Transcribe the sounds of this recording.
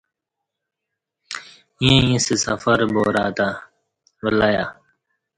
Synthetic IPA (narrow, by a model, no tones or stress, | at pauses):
jẽjẽsesɐ̰fəɾboːɾaːt̪a | bəlaːjaː